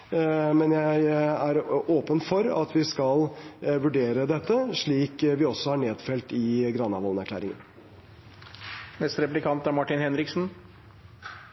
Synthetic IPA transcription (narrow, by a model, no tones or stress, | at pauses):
mɛnjæɪæɾoːpənfɔɾɑ̰t̪ʋɪskɑlʋʉɖeːɾəd̪ɛt̪ːəʂɭiːkʋɪɔsɔhɑɾɳeːd̪fɛlt̪ɪɡɾɑːnɑʋɔlnæɾklæ̰ːɾɪŋə̰n | mɛst̪ɾɛplɪkʰɑnt̪æɾmɑʈɪnhɛnɾɪksn̩